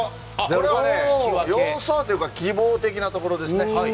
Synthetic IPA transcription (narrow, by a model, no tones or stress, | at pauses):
d̪koɾe̞aejõsoːt̪ojɯkakʲiboːt̪e̞kʲinat̪o̞ko̞ɾo̞d̪e̞sɨne